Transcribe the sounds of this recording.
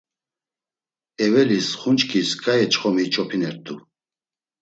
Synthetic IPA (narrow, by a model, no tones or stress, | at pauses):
ɛvɛlisχunt͡ʃkʰʼiskʼajɛt͡ʃχɔmit͡ʃʰɔpʰinɛɾt̪ʼu